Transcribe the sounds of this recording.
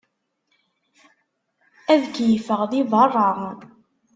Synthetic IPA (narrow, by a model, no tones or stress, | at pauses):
æðkjfəʁðivɑrˤːɑ